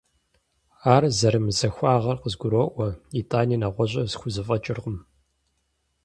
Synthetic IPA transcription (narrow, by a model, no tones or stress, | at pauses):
aːrzɐɾɨmzɐxʷaːʁɐrqəzɡʷʊɾoːʔʷɔitʼaːniːnaʁʷɔʑʷʼɐzxʷʊzɨfʼɐt͡ʃʼɪrʁəm